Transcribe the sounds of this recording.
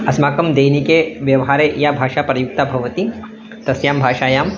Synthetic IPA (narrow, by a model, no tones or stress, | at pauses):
ɐsmaːkɐmd̪eːjnikeːʋjɐʋɦaːɾeːʔjaːbʱaːʃaːpɾɐjuk̚t̪aːbʱɐʋɐt̪i | t̪ɐsjaːmbʱaːʃaːjaːm